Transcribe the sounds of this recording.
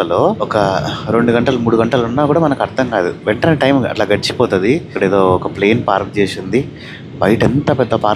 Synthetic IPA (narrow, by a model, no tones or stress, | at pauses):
ɐlo̞ːɔkɐɾe̞ɳɖuɡɐɳʈɐlɐmuːɽuɡɐɳʈɐlɐunːaːkuːɽaːmɐnɐkɐɾt̪ʰɐŋkaːd̪uʋeɳʈɐneːʈɐjmɐ̰ʈlaːɡɐɽit͡ʃi̥pɔːt̪ɐd̪ikɐɽeːd̪o̞ːɔkɐpleːnpaːɾkt͡ʃeːsind̪i | bɐjʈent̪aːpɛd̪ːɐpaːɾ